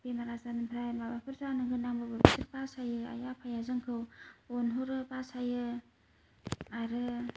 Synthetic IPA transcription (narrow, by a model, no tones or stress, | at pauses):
pemaɾazanɯmpʰɾajmabapʰɯɾsanɯɡɯnːaŋbɯbɯbisʰɯɾpasajɯa̰japʰajazɯŋkʰɯwɔnɦoɾɯpasajɯ | aɾɯ